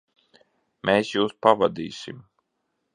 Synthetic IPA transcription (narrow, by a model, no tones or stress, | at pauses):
mʔeːsjuːspavad̪iːsim